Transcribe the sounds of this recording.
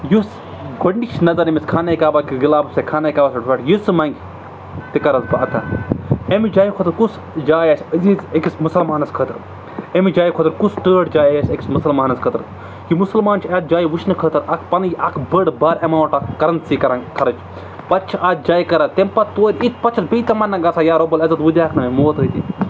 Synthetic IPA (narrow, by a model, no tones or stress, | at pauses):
jus | ɡʱoɳɖikt͡ʃʰnɐzɐɾɐmiskʰaːnɐjkaːbakiɡilaːbɐsekʰaːnajikaːbasɐʈʰʋaʈjusɨmɐŋɡʲ | t̪ikɐɾɐzbɐɐt̪ʰɐ̰emid͡ʒaːjikʰot̪ɨɾkus | d͡ʒaːjɐsʲziekismusɐlmaːnɐskʰəːt̪ɐɾ | emid͡ʒaːjikʰot̪ɨɾkusʈəːʈd͡ʒaːjɐsʲekʲi̥smusɐlmaːnɐskʰət̪ɨɾ | kimusɐlmaːnt͡ʃʰɐt̪̚d͡ʒaːjiʋuʃʰnɨkʰət̪ɨɾɐkʰpɐnɡʲɐkʰbəɽbaːɾɐmaːwʈɐkɐɾɐnt̪sikɐɾɐkɐɾɐt͡ʃʰ | pɐt̪̚t͡ʃʰiʔad̪̚d͡ʒaːjikɐɾɐt̪empɐt̪t̪ːoːɾʲit̪̚ʰpɐt͡ʃʰɐt̪biːt̪ɐmɐnːɐŋɡɐsaːjaːɾobɐlɐzɐt̪ʋɨd̪ʲjaːkʰnɐmemoːt̪ət̪ḭ